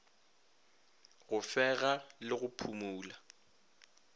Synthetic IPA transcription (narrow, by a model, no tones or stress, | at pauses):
ɣʊfɛɣalɪɣʊpʰumuːla